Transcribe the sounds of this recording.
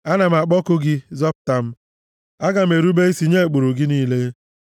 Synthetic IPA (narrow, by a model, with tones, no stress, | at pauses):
a˦na˨m̩˨a˨k͡pɔ˦kʊ˦ɡɪ˦zɔ˦p̚ta˨m̩˦ | a˦ɡa˨m̩˨e˨ɾu˦be˦i˦si˦ɲe˦˨k͡po˨ɾo˨ɡɪ˦niː˦le˦